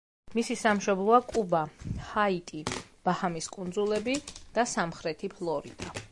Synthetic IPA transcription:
misisamʃɔblˠɔakʼubahait̪ʼib̥ahamiskʼund̪zulˠɛbid̪̥asamχɾɛt̪ʰipʰlˠɔɾḭd̪̥a

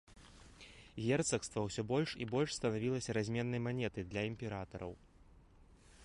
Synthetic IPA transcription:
ɣʲɛrt̪sɐkst̪vɐwsʲɔbɔlʲʂḭbɔlʲʂst̪ɐnavʲilˠɐsʲɐɾazʲmʲɛnːɐjmanʲɛt̪ɨd̪lʲɐimʲpʲɛɾat̪ɐɾɐ̰w

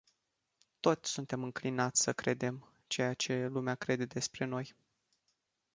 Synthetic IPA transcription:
t̪o̞t̪sʲsunt̪e̞mɨŋklinat̪sʲsəkɾe̞d̪e̞m | t͡ʃe̞jat͡ʃe̞lumeakɾe̞d̪e̞d̪e̞spɾe̞no̞j

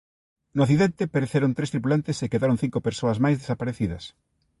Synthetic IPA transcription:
noaθiðent̪epeɾeθeɾont̪ɾest̪ɾip̬ulant̪esekeðaɾoŋθiŋkopeɾsoɐzmajzðesapaɾeθiðɐs

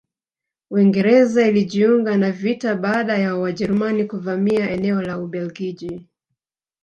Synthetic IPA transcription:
wiŋɡɛɾɛzailiʄiuŋɡanavitaɓaːɗajawaʄɛɾumanikuvamiaʔɛnɛɔlauɓɛlɡiʄi

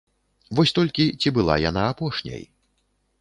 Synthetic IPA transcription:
vɔsʲt̪ɔlʲkʲit͡sʲibɨlˠa̰janaːpɔʂnʲɐ̰j

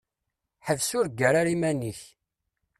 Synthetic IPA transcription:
ħəvsʊɾɡːəɾaɾimæniç

